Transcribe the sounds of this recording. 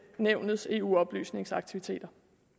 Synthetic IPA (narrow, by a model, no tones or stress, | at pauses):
neʊ̰nð̩ˠse̝̰ːṵːɒ̽b̥ly̰ːsne̝ŋsɑ̈ɡ̥̚t͡sʰiʋit͡sʰe̝̰ːd̥ɐ